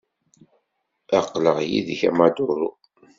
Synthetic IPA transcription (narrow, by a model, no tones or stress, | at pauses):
æqːləʁjḭðçæmad̪ʊɾu